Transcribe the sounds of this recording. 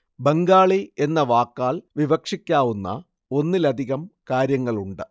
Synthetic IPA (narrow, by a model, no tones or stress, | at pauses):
beŋɡaːɭie̞nːɐʋaːkːaːɭʋiʋɐkʂikʲːaːʋunːɐ̰ | o̞nːilɐd̪ʱiɣɐmkaːɾjɐŋːɐɭuɳɖɨ